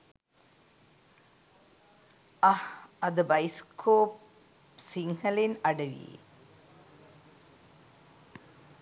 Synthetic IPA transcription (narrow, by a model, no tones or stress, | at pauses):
ɐhɐd̪əbɐjskʰoːp | siŋhɐlenɐɖɐʋḭjḛ